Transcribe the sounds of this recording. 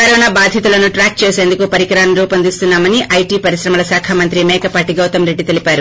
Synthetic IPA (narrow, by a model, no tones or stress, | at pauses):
kɐɾɔːnaːbaːd̪ʱjɐt̪ulɐnuʈɾaːk̚t͡ʃeːse̞ːnd̪ukupɐɾikɾaːnɾuːpɐnd̪ist̪unːaːmɐniʔʔɐjʈipɐɾiʃɾɐmɐlɐsaːkʰaːmɐnt̪ɾimɛːkɐpaːʈiɡɐwt̪ɐmɾe̞ɖːit̪e̞lipaːɾu